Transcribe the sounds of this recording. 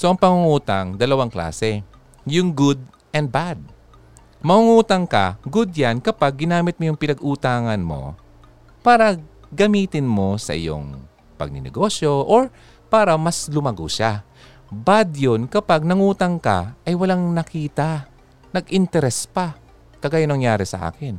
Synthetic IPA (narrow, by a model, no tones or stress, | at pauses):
so̞ʔɐŋpɐŋʊŋuːt̪aŋd̪ɐlɐwaŋkla̰ːsɛ | jʊŋɡʊd̪̚ | ʔɛnd̪̚bad̪̚ | mɐŋuŋuːt̪ɐŋkɐ̰ɡʊd̪̚jankɐpaɡ̚ːɪnaːmɪt̪̚mojʊŋpɪnɐɡʔuːt̪aːŋɐnmo̞̰ | paːɾɐ | ɡɐmiːt̪ɪnmo̞sɐ̰ʔɪ̰jo̰ŋ | pɐ̰ɡ̚nɪ̰nɛ̰ɡo̞ʃjo̞ʔoɹ | paːɾɐmɐslʊmɐɡʊʃa | bad̪jonkɐpaɡ̚nɐŋuːt̪ɐŋka̰ʔɐjwɐlaŋnɐkiːt̪a | nɐɡʔɪnt̪ɛɾɛspa | t̪ɐɡajʊnɐŋjaːɾɛsɐ̰ʔa̰ːkɪn